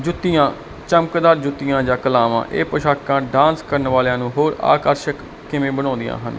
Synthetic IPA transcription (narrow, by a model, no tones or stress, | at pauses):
d͡ʒʊt̪ːɪjãː | t͡ʃəmkd̪aːɾd͡ʒʊt̪ːɪjãːd͡ʒãːkəlaːʋã̰ːʔḛːpəʃaːkãːɖãːnskəɾnʋaːleãːnũːɦoːɾa̰ːkəɾʃəkː | ɪmẽːbəñɔ̃ːnd̪ɪjã̰ːɦən